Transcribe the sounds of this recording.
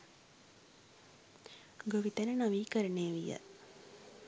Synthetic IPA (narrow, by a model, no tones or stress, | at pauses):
ɡoʋit̪ənənaʋiːkəɾəneːʋijə̰